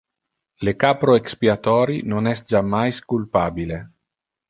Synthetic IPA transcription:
lekapɾoekspiat̪ɔːɾinonɛst̪̚d͡ʒamːajskulpaːbile

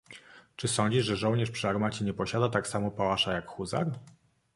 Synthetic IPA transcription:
t͡ʂɘsɔɲd͡ʑiʐʐɛʐɔwɲɛʂpʂɘaɾmat͡ɕɛɲɛpɔɕad̪at̪aksamɔpawaʂajakxuza̰ɾ

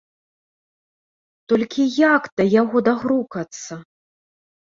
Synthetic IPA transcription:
t̪ɔlʲkʲijakd̪̥ɐjaɣɔd̪aɣɾukɐt̪sːɐ

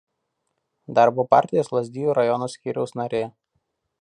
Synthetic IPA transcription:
d̪ɑɾboːpɑˑɾʲt̪ʲɪjoːslˠɐzʲd̪ʲiːjuːɾɐjɔnoːsʲkʲiːɾʲɛʊsnɐɾʲeː

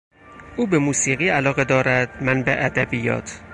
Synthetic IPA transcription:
ʔuːbemuːsiːɣiːælɒːɣe̞d̪ɒːɾæd̪̥mænbḛʔæd̪æbijɒ̰ːt̪ʰ

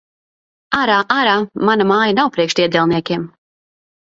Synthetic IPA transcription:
aɾaːʔaɾaːmanamaːjanawpɾiɛkʃt̪iɛd̪ʲɛlˠniɛkʲiɛm

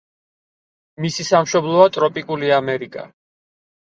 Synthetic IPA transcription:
misisamʃɔblˠɔat̪ʼɾɔpʼikʼuliamɛɾikʼa̰

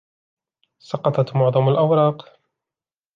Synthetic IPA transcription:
sɑqɑt̪ɑt̪mʊʕðˤɑmalʔawɾˤɑːq

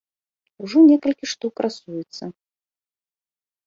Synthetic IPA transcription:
uʐɔnʲɛkɐlʲkʲiʂt̪ukɾʔasujɛt̪sːɐ

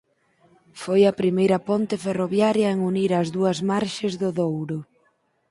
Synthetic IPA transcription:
fojɐpɾimejɾɐpɔnt̪ɪferoβjaɾjɐeŋuniɾɐzðuɐzmaɾʃɪzðʊðowɾʊ

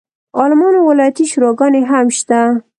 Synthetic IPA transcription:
ɑlɪmɑnowɪlɑjat̪iʃuɾɑɡɑneɦamʃt̪a

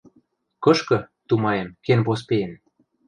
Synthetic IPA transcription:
kɤ̆ʃkɤ̆t̪umɑjemkenpos̬peen

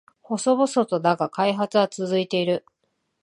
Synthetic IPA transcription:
ho̞so̞βoso̞t̪o̞naɡakaiɦat͡sɨɡat͡sɨzɨit̪e̞iɾɯ̟

